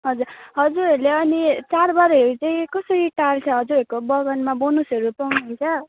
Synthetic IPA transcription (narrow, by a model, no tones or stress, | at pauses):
ɦʌd͡zurɦʌd͡zuɾʌleʌnit͡sarbaɾɦeɾut͡saĩkʌsʌɾiʈart͡sʰʌɦʌd͡zuɾʌkobʌɡʌnmabonusʌɾupawnʌjt͡sʰʌ